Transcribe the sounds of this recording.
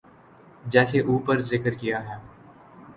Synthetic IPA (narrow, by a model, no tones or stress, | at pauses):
d͡ʒɛːseʔuːpəɾzɪkəɾkijaɦɛː